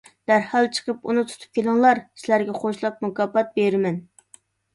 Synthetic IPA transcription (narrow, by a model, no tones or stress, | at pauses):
d̪̥æɾhɑlˠt͡ʃʰə̥qʰəpunɨt̪ʰu̥t̪ʰu̥p̚kʲʰelɪŋlˠɑɾsɪlæɾɡʲɛχʰoʃlˠɑp̚mukɑːpɑt̪̚beɾɪmɛn